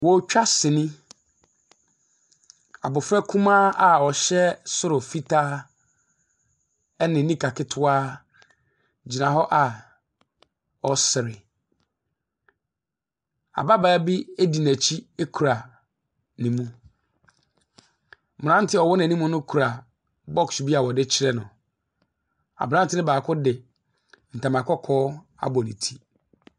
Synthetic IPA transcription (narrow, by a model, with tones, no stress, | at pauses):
wɔ˨˦t͡ɕᶣa˦sɪ˨nɪ̃˦ | a̰˨bʊ˨fɾɛ˦kʰũ˦mãː˦a˨ɔ˨ɕɛ˦sʊ˦ɾʊ˨fi˦tʰaː˦ | ɛ˦nɪ̃˨nĩ˦kʰa˨kʰɪ˦tʰʊ˦aː˦ | d͡ʑi˨nã˨ɦɔ˦ʔa˨ | ɔ˨sɪ˨ɾɪ˨ | a̰˨ba˦ba˨˦bi˦e˦di˨næ̃˨t͡ɕʰi˦e˦kʰu˨ɾa˨ | nĩ˨mũ˦ | m˨ɾã˦n̩˦tʰɪ˦ɔ˨wɔ˦n˦˨nĩ˦mũ˦nʊ̃˦kʰu˨ɾa˨ | bɔ˦ksbi˦a˨wɔ˨dɪ˦t͡ɕʰɪ˦ɾɛ˦nʊ̰̃˨ | a̰˨bã˦n˦tʰɪ˦nɪ̃˦baː˨kʰʊ˦dɪ˨ | n̩˨tʰã˨mã˨kɔ˦kʰɔː˦ | a̰˨bɔ˨nḭ̃˨tʰi˦